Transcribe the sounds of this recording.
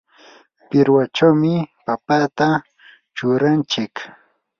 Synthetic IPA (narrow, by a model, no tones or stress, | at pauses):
pɪɾwat͡ʃawmɪpapat̪a | t͡ʃʊɾant͡ʃɪk